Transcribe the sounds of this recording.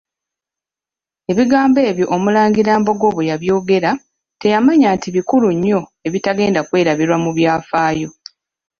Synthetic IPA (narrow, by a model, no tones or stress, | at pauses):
e̞βiɡaːmbe̞ːβjo̞ʔomulaːɲɡiɾaːmbo̞ɡo̞ːβejaβjo̞ːɡe̞ɾa | te̞jamaɲaːntʰiβikuluɲːo̞e̞βitaɡe̞ːndakwe̞ːɾaβiɾwamuβjaːfaːjo̞